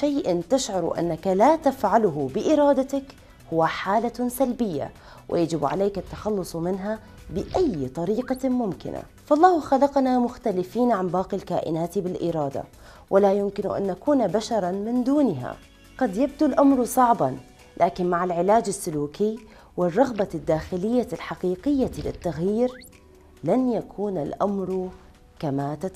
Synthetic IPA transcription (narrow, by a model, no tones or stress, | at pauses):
ʃaːʔant̪ɪʃʕʊɾˤṵʔa̰nːakalat̪afʕalʊɦʊbɪʔɪɾˤɑːd̪at̪ak | hʊwːaħaːlasalbɪjːa̰ | wʔɪ̰jad͡ʒɪbʕa̰leːkat̪ːḁxɑlːʊsˤmɪnɦa | bɪʔajːt̪ˤɑɾiːqɑmʊmkɪ̰na̰ | fɑʔlˤːɑːhxalɑqnamʊxt̪alɪfiːnʕanbɑːqilkaːʔɪ̰naːt̪bɪlʔɪɾˤɑːd̪a̰ | wʔɪlajʊmkɪn̰ʔa̰nʔakuːnbaʃɑɾˤɑnmɪnd̪uːnɦa̰ | ɡɑd̪jab̚d̪ulʔamɾˤsˤɑʕbɑn | lʔaːkɪnmaʕalʕɪlaːd͡ʒasːʊluːki | wɪrˤːɑɣbad̪ːaːxɪlɪjːalħaqiːqɪjːalɪ̰t̪ːaɣjiːɾ | lanjakʰuːnalʔamɾ | kamat̪a